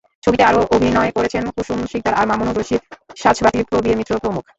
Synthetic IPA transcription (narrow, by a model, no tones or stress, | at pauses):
t͡ɕʰobit̪eaɾoʔobʱinɔekoɾet͡ɕʰenkuʃumʃik̚d̪aɾʔaɾmamonoɾoʃit̪ʃaʃbat̪ipɾobiemit̪ːɾopɾomukʰ